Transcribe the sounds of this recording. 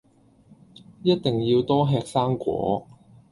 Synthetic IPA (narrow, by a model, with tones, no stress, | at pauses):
jɐ˥t̚t̪ɪ˨˩ŋjiː˧wt̪ɔː˥ɦɛː˧k̚saː˥ŋkʷɔ̰ː˨˥